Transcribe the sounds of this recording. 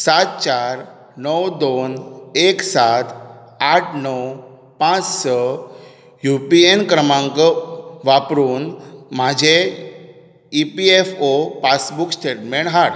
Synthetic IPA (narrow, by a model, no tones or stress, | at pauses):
sat̪̚t͡ɕaɾ | nəwd̪oneksat̪ | aʈʰnəw | pãt͡ssə | jupienkɾəmãŋkəʋapɾuːnmad͡ʑʱe | ipiefopasbuksʈeʈmeɳʈɦaɽ